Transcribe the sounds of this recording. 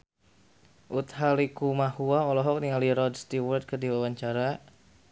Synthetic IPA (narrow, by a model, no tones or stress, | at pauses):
ʔut̪halikumahuaɔlɔɦɔk̚niŋaliɾɔdst̪iwɔrt̪̚kɨrdiwawaɲt͡ʃaɾa